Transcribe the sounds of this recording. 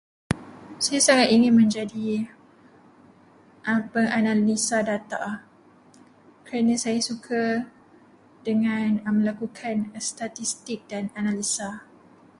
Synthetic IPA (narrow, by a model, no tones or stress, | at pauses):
sajasaŋat̪̚iŋɪ̃nmə̃ɲd͡ʒadi | pəŋanalisadat̪a | kəɾanãsajasukʰa | dəŋãnmə̃lakukʰanst̪at̪ist̪ɪk̚dananalisa